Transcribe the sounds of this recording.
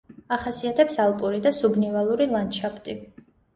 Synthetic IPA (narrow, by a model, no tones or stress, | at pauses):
aχasiat̪ʰɛpsalˠpʼuɾid̪asubnivalˠuɾilˠanʃapʰt̪ʼi